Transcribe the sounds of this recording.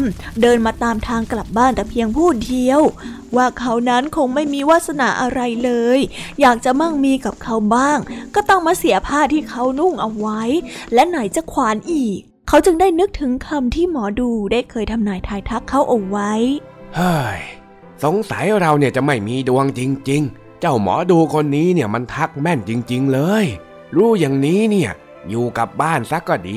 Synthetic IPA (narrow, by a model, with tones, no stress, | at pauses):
mdɤː˧nmaː˧t̪aː˧mt̪ʰaː˧ŋkla˨˩p̚baː˥˩nt̪ɛː˨˩pʰi˧əŋpʰuː˥˩di˧əw | waː˥˩kʰa˦˥wna˦˥nkʰo˧ŋma˥˩jmiː˧wa˦˥t̪̚sa˧na̰˨˩˦ʔa˧ɾa˧jlɤː˧jjaː˨˩k̚t͡ɕa˨˩ma˧˥˩ŋmiː˧ka˨˩p̚kʰa˦˧˥wbaː˥˩ŋkɔː˥˩t̪ɔ˥˩ŋmaː˧˩si˩˦əpʰaː˥˩t̪ʰːiː˥˩kʰa˦˥wnu˥˩ŋʔa˧wwa˦˥jlɛ˦˥na˩˦jt͡ɕa˨˩kʰwaː˩˦nʔiː˨˩k̚ʰːa˦˥wt͡ɕɯ˧ŋdaː˥˩jnɯ˦˥k̚t̪ʰɯ˨˩˦ŋkʰa˧mt̪ʰiː˥˩mɔː˩˦duː˧daː˥˩jkʰɤː˧jt̪ʰa˧mnaː˧˩jt̪ʰaː˧jt̪ʰa˦˥kʰːa˦˥wʔa˧˩wwa˦˥j | haː˥˩j | so˨˦ŋsa˩˦jɾa˧wni˥˩ɐt͡ɕa˨˩ma˥˩jmiː˧du˧əŋt͡ɕi˧ŋt͡ɕi˧ŋ | t͡ɕa˥˩wmɔ̰ː˩˦duː˧kʰo˧nːiː˦˥ni˥˩ɐma˧nt̪ʰa˦˥k̚mɛ˥˩nt͡ɕi˧ŋt͡ɕi˧ŋlɤː˧j | ɾuː˦˥˩ja˨˩ŋniː˦˥ni˥˩ɐ | juː˨˩ka˨˩p̚baː˥˩nsa˦˥kːɔː˥˩diː˧